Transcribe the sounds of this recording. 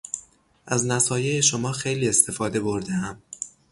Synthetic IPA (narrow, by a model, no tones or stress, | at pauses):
ʔæznæsɒːjejeʃomɒːxe̞jliːe̞st̪ʰe̞fɒːd̪e̞bo̞ɾd̪eæm